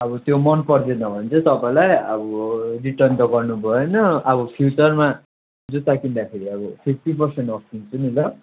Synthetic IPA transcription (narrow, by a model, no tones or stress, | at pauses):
ʌbʌt̪jomʌnpʌrd̪enʌbʱʌnt͡sʰʌt̪ʌpãĩlajʌ̰bʌriʈʌnt̪ʌɡʌrnubʱʌenʌʌbʌpʰjut͡sʌrma | d͡zutakind̪akʰeɾiʌbʌpʰip̚ʰʈipʌrseɳʈʌst̪int͡sʰunilʌ